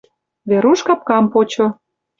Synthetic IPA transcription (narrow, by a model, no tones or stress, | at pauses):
βeɾuʃkɑp̚kɑmpot͡ɕo